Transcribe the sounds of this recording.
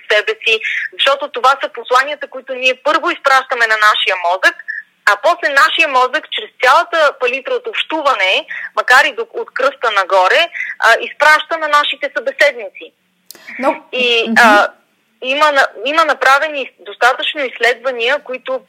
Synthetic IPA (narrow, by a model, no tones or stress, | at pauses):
sɛbɛsizɐʃt̪ɔt̪ot̪ovasəposlˠaniət̪əkoit̪ʊniɛpɤɾvoispɾaʃt̪əmɛnɐnaʃijəmɔzək | ɐpɔslɛnaʃiəmɔzəkt͡ʃɾɛst̪sʲjalˠət̪əpɐlit̪ɾəot̪opʃt̪uvɐnɛmɐkaɾid̪oot̪kɾɤst̪ənɐɡɔɾɛʔispɾaʃt̪ənɐnaʃit̪ɛsɐbɛsɛd̪nit̪si | iə | imənɐimənɐpɾavɛnid̪ost̪at̪ət͡ʃnoislɛd̪vɐniəkoit̪ʊ